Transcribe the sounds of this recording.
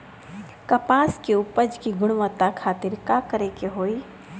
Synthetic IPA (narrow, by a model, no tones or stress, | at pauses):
kəpaːskeupəd͡ʒkiɡʊɽ̃ʋət̪akʰaːt̪ɪɾkakəɾekeɦoːi